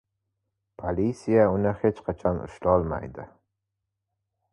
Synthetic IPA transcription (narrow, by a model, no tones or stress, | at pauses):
pʰolʲisijaʊnɪhe̞t͡ʃqʰɑt͡ʃʰɒnʊ̰ʃlɒlˠma̰jd̪ɪ